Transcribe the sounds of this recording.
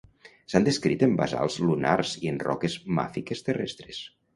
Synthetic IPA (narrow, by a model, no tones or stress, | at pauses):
sand̪eskɾit̪emba̰za̰lˠzluna̰ɾzienrɔ̰kezma̰fikest̪erɛ̰st̪ɾes